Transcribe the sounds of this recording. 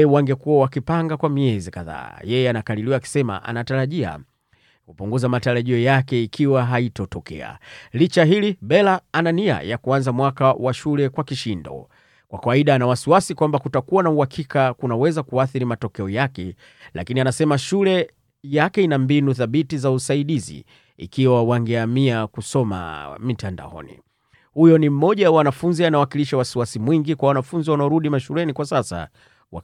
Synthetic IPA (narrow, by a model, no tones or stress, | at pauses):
ɛwaŋɡɛkuwawakipaŋɡakwamiɛzikaða̰ːjɛjɛanakaliliwaːki̥sɛma̰ʔa̰nataɾaʄia̰ | kupuŋɡuzamataɾaʄiɔjakɛikʰiwaɦaitɔtɔkʰɛ̰a̰lit͡ʃaɦiliɓɛlaanania̰jakuanzamwakawaʃulɛkwakiʃindɔ̰ | kwakawaiɗanawasiwasikwambakutakuwanauhakʰikakunawɛzakuaθiɾimatɔkɛɔjakɛ | la̰kinianasɛmaʃulɛ | jakɛinambinuθaɓitizausaiɗizḭ | ḭkiwawaŋɡɛamiakusɔma̰mitanda̰ɔ̰nḭ | hujɔnim̩mɔʄawawanafunzianawakiliʃawasiwasimwiŋɡikwawanafunziwanaɔɾuɗimaʃulɛnikwasasa̰ | wa